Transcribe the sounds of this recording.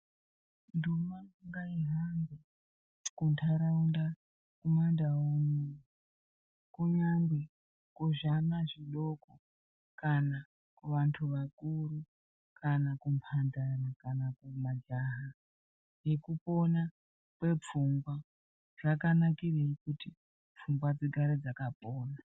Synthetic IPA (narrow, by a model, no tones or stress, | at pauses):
ndumaŋɡaiɦambe | kuntʰaɾaunda | kumandaumu | kuɲaŋɡwe | kuʐanaʐiɗo̞ko | kana | kuʋantʰuʋakuɾu | kʰanakumpʰandarakanakumad͡ʒaɦa | jekupo̞na | pwe̞p͡fuŋɡwa | ʐakanakireikuti | p͡fuŋɡwad͡ziɡʱaɾed͡zakapoːna